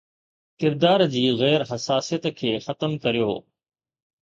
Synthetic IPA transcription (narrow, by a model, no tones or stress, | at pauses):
kɪɾd̪aːɾd͡ʑiːɣɛːɾɦɐsaːsijət̪kʰeːxɐt̪əmkɐɾijoː